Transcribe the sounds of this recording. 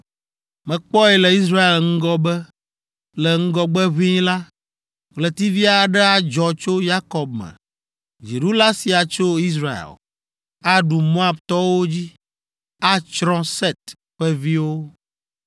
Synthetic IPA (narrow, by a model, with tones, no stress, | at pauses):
mɛ̃˨k͡pɔ˦ɛ˨lɛ˨i˦s̬ɾa˦e˨lŋ̩˦ɡɔ˦bɛ˦ | lɛ˨ŋ̩˦ɡɔ˦ɡ͡bɛ˦βĩ˦la˦ | klɛ˨t̪i˦vi˦a˨ɖɛ˦a˨d͡ʒɔ˨t͡ʃo˦ja˦kɔ˨bmɛ̰̃˨ | d͡ʒi˨ɖu˦la˦si˨a˨t͡ʃo˦i˦s̬ɾa˨ḛ˨l | a˦ɖu˨mo˦a˨bt̪ɔ˦wo˦d͡ʑi˦ | a˦t͡ʃɾɔ̃˦sɛ˦t̪ | ɸɛ˦vi˦wo˦